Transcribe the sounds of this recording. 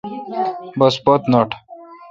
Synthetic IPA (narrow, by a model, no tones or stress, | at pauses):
bɐspɐt̪nɐʈʰ